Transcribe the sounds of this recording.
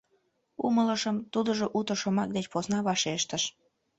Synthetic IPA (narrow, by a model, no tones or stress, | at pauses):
umələʃəmt̪ud̪əʒoʔut̪əʃomɑk̚d̪et͡ɕposnɑβɑʃeʃt̪əʃ